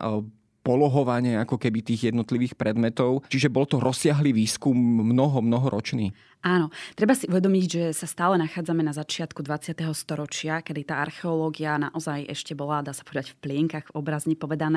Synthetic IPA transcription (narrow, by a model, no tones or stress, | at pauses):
pɔlɔɦɔʋaɲɪɛakɔkɛbit̪iːɣjɛd̪nɔt̪liʋiːxpɾɛd̪mɛt̪ɔʊt͡ʃiʒɛbɔlt̪ɔɾʔɔsːɪaɦliːʋiːskumːnɔɦɔmnɔɦɔɾʔɔt͡ʃnḭː | ʔaːnɔt̪ɾɛbasiʔuʋɛd̪ɔmiɟʒɛsast̪aːlɛnaxaːd͡zamɛnazat͡ʃɪat̪kud̪ʋat͡sɪat̪ɛɦɔst̪ɔɾɔt͡ʃɪakɛd̪it̪aːa̰ɾxɛɔlɔːɡiana̰ʔɔzajʔɛ̰ʃcɛbɔlad̪aːsapɔʋɛd̪aɟfplɪɛŋkaɣvɔbɾazɲipɔʋɛd̪anɛː